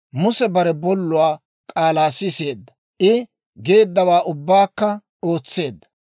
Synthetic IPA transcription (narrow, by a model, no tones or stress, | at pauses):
mʊsɛbɐɾɛbɔlːʊwaː | kʼaːlaːsɪse̞ːd̪ːɐ | ʔɪ | ɡe̞ːd̪ːɐwaːʔʊbːaːkːɐ | o̞ːt͡sːe̞ːd̪ːɐ